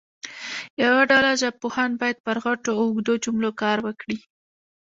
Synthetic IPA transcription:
jawaɖalaʒapohanbɑjad̪̚pəɾɣaʈoʊɡd̪od͡ʒʊmlokɑɾwəkɽi

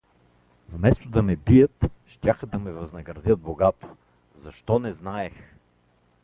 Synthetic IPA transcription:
vmɛst̪od̪ɐmɛbijət̪ʃt̪ʲaxd̪ɐmɛvɐznɐɡɾɐd̪ʲjət̪̚boɡat̪o̥ | zɐʃt̪ɔnɛznaɛx

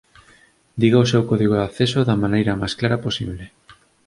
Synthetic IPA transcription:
d̪iɣaosewkɔðiɣoaθesoðamanejɾamajsklaɾɐposḭβle

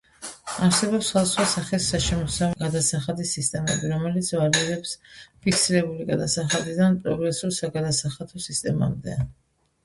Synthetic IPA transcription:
aɾsɛbɔpsχad̪asχwasaχisːaʃɛmɔsavɛɡad̪asaχad̪isist̪ʼɛmɛ̰biɾɔmɛlit̪sʰvaɾiɾɛpspʰiksiɾɛbuliɡad̪asaχad̪id̪anpʼɾɔɡɾɛsuɾsaɡad̪asaχat̪ʰɔsist̪ʼɛma̰md̪ɛ̰

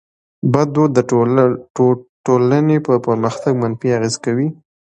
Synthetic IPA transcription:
bad̪od̪ːə | ʈolanepəpəɾməxt̪aɡ̚manfiaɣezkawi

